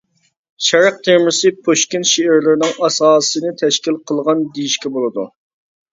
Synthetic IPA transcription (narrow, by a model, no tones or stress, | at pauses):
ʃɛɾəq̚t̪ʰeɾmɪsɨpʰoʃkʲinʃeɪɾlɪɾɪnɪŋɑsɑːsɨnɨt̪ʰɛʃkʲilˠqʰəlˠʁɑnd̪ijiʃkʲɛbolˠɨd̪ṵ